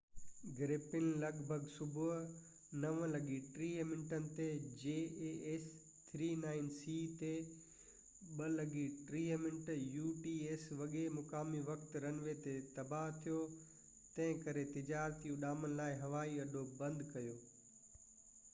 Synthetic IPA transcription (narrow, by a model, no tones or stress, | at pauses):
ɡɪɾeːpɪnlɐɡbʱəɡsʊbʱʊɦ | nɐʋə̃lɐɡiʈɾiːmɪ̃ɳʈənɪ̆t̪ed͡ʑeːees | t̪ʰɾiːnaːɪnsit̪e | ɓɐlɐɡiʈɾiːəmɪ̃nʈjuːʈiːeːsʋɐɠemʊkaːmiʋɐkt̪ɾɐnʋet̪et̪ɐbaɦt̪ʰijo | t̪ɐ̃ɦɪ̃kɐɾet̪ɪd͡ʑaːɾt̪ijũɗaːmənɪ̆laːɪɦɐʋaːiɐɗobɐ̃nd̪kɐjoː